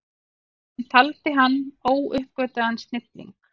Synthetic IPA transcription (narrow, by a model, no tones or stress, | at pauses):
hant̪ʰalt̪ɪɦanːoːwʏhpkvœɥt̪aðansnɪt̪lḭŋk